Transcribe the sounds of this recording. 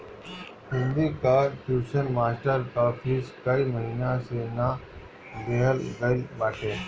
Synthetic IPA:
hɪ̃nd̪ikaʈjuːʃənmaːsʈəɾkafʰiːskɐiməɦiːnãsena | d̪eɦəlɡəibaːʈẽː

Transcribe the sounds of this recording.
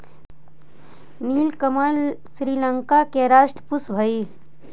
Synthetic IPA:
niːlkəməlsɾiːləŋkakeɾaːʃʈəpusbʱəi

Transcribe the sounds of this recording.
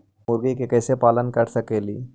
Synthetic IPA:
mʊɾɡikekɛːsepaːlənkɐɾsɐkeːlḭː

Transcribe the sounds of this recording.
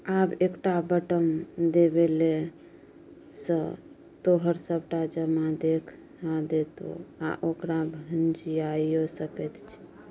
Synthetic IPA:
abekʈabəʈəmd̪ebele | sə̃ | t̪oɦəɾsəbʱʈad͡ʒəmad̪ekʰ | nad̪et̪o̰a̰ʔokɾabʱənd͡ʒiaiosəkɛt̪t͡ʃʰi̥

